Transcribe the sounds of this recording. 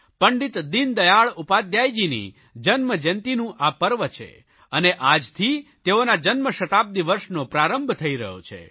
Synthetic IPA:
pəɳɖit̪d̪ind̪əjaɭupad̪jajd͡ʒinḭ | d͡ʒənməd͡ʒənt̪inũʔapəɾʋət͡ʃʰḛ | əneʔad͡ʒt̪ʰit̪eonad͡ʒənməʃət̪ab̚d̪iʋəɾʃnopɾaɾəmbʱt̪ʰəiɾəɦjo̰t͡ʃʰḛ

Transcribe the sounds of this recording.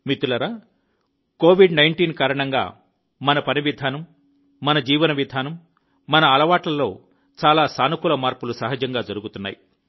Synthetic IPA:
mit̪ulɐɾa | koːʋiɖnɐjɳʈiːnkaːɾɐɳɐŋɡa̰ː | mɐnɐpɐniʋid̪ʱaːnɐmː | ɐnɐd͡ʒiːʋɐnɐʋid̪ʱaːnɐmː | ɐnɐːlɐʋaːʈlɐlo̞ː | t͡ʃaːlaːsaːnukulɐmaːɾpulusɐɦɐd͡ʒɐŋɡaːd͡ʒɐɾuɡut̪unːa̰ːji

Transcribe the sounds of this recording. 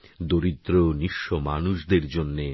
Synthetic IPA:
d̪oɾid̪ɾoniʃːomanuʃd̪eɾd͡ʑonːe

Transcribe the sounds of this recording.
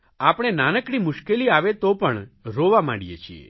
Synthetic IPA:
apɽ̃enanəkɽimʊʃkeliaʋet̪opəɳɾoʋamã̰ɽijḛt͡ʃʰiḛ

